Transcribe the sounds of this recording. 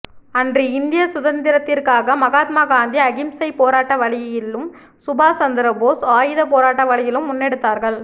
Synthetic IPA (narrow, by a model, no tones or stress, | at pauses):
ɐndriɪnd̪ɪjɐsʊðɐnd̪ɪɾɐt̪ːɪrkaːɣɐmɐɣaːt̪̚maːɡaːnd̪iɐɣɪmsɐɪpoːɾaːʈːɐʋɐɭɪjɐjɪlːɯm | sʊbaːsɐnd̪ɪɾɐboːsaːjɯðɐpoːɾaːʈːɐʋɐɭɪjɪlɯmːʊnːɛɽɯt̪ːaːɾɣɐɭ